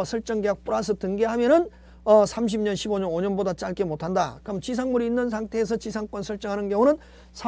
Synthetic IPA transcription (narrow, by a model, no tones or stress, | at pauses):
sʰʌɭt͡ɕ͈ʌŋɡeak̚p͈uɾas̬ʰɯtɯŋɡeɦamjʌnɯn | ʌsʰamɕ̬ʰimɲʌnɕʰiboɲʌnoɲʌnbodat͡ɕ͈aɭk͈emotʰandakɯɾʌmt͡ɕis̬ʰaŋmuɾiːnːɯns̬ʰaŋtʰe̞ːs̬ʰʌt͡ɕisʰaŋk͈wʌnsʰʌɭt͡ɕ͈ʌŋɦanɯnɡjʌŋunɯn | sʰa